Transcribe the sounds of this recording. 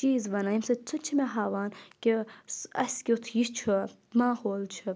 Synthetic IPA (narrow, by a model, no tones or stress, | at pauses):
t͡ʃiːzʋɐnaimsɐt͡sʰut͡ʃʰimeɦaːʋaːnkʲisɐsʲkʲiut̪ʰjit͡ʃʰu | maːhoːlt͡ʃʰu